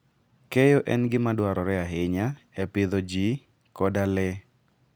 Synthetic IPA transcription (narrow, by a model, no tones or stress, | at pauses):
kɛjɔʔɛ̰nɡɪmadwaɾɔɾɛaɦɪɲa | ɛpɪðɔd͡ʒi | kɔdalɛ